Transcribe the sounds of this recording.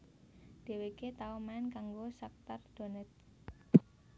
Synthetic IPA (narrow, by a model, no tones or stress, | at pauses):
d̪̥e̤weket̪aɔmaɪnkaŋɡosak̚t̪ard̪̥o̤nɛt̪̚